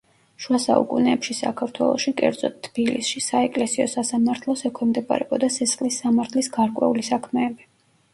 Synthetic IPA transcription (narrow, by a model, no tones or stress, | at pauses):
ʃuasa̰ṵkʼunɛːpʃisa̰kʰaɾt̪ʰwɛ̰lˠɔ̰ʃikʼɛ̰ɾd̪zɔ̰t̪ʰːb̥ilḭsʃisaɛkʼlɛsiɔsasamaɾt̪ʰlˠɔsɛkʰwɛmd̪ɛbʼa̰ɾɛ̰bɔd̪asɛsχlisːamaɾt̪ʰlisɡaɾkʼwɛ̰ulisakʰmɛːbi